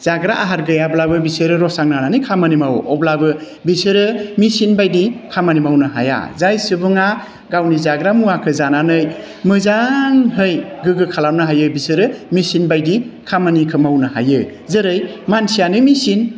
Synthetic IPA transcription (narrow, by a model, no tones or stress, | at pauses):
z̥aɡɾaʔaɦaɾɡɯjablabɯbisɯɾɯɾɔsaŋnananɯjkʰamanimawʔɔblabɯ | bisɯɾɯmisinbajdikʰamanimawnɯɦa̰ja̰zajsɯbɯŋa | ɡawnizaɡɾamuakʰɯzananɯj | mɯzaŋɦɯjɡɯɡɯkʰalamnɯɦajɯbisɯɾɯmisinbajdikʰamanikʰɯmawnɯha̰jɯ | zɯɾɯjmansijanɯmisin